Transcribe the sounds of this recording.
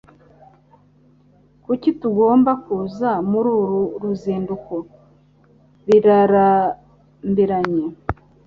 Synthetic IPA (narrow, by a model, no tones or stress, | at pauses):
kucituɡo̞ːmbakuzamuɾuːɾuɾuziːnduko | βiɾaɾa | mbiɾaɲe